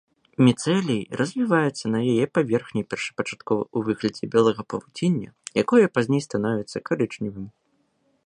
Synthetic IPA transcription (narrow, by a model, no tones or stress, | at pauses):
mʲɛt̪sɛlʲijrʔɐzʲvʲivajɛt̪sːɐnɐjajɛpavʲɛrxnʲɐjpʲɛrʂɨ̥pɐt͡ʂḁt̪kɔvɐ̰uvɨɣlʲɐd͡zʲɛbʲɛlˠɐɣɐpɐvud͡zʲenʲːɐ̰jakɔjɐpazʲnʲejst̪anɔvʲɛt̪sːɐkaɾɨt͡ʂnʲivɨm